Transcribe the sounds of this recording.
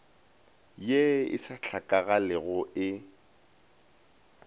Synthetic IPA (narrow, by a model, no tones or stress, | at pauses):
jeɪ̰saɬʰakʼaɣalɪɣʊʔɪ